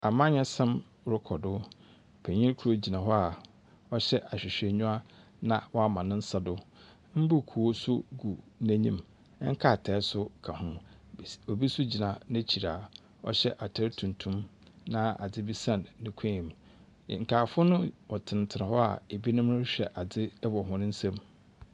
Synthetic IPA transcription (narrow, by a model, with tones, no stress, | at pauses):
a˨mã˦ɲɛ̃˦sɛ̃˦m | ɾʊ˦kʰɔ˨dʊ˦ | pʰɛ˨ɲĩ˦kʰu˦ɾo˦d͡ʑi˨nã˨ɦɔ˦a˨ | ɔ˦ɕɛ˦ʔa˨ɕᶣɪ˨ɕᶣɛ˨ɲũ˦a˦ | nã˨wɔ˦a˨mã˨nɪ̃˦n̩˦sa˦dʊ˦ | m̩˦bu˦˨kʰu˨o˦sʊ˦ɡu˨næ̃˦ɲḭ̃˦m˦ | ŋ̩˦kʰa˦˨tʰɛː˨˦sʊ˦kʰa˨hʊ̃˦ | o˨bi˦sʊ˦d͡ʑi˨nã˨nã˦t͡ɕʰi˨ɾa˨ | ɔ̰˦ɕɛ˦ʔa˨tʰɛ˦ɾtʰũ˨ntʰũ˦m | nã˦a̰˨d͡zɪ˦bi˦sã˦˨nːɪ̃˦kʰɛ̃˦ĩ˨m˨ | ŋ̩˨kʰaː˨fʊ˦ʊ˦nʊ̃˦wɔ˨tʰɪ̃˨n˨tʰɪ˨ɾã˨hɔ˦a̰˨e˨bi˦nʊ̃˦mnʊ̃˦ɕᶣɛ˨ʔa˨d͡zɪ˦dɛ˦bɔ˨ɦʊ̃˦ñ˦n̩˦sɛ̃˦m